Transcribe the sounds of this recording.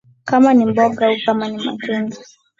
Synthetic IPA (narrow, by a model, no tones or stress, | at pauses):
kamanimbɔɡaukamanima̰t͡ʃɛnɡa